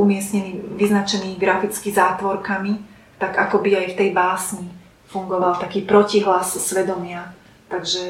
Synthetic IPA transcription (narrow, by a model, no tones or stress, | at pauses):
umɪɛsɲɛniːʋiznat͡ʃɛniːɡɾafit͡skizaːt̪ʋɔɾkami | t̪aɡakɔbiajft̪ɛjbaːsɲi | fuŋɡɔʋalt̪akiːpɾɔciɦlasːʋɛd̪ɔmɪa | t̪aɡʒɛ